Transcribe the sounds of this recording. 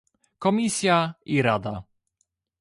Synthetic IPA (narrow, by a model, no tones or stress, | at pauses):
kɔmʲisʲjaiɾad̪a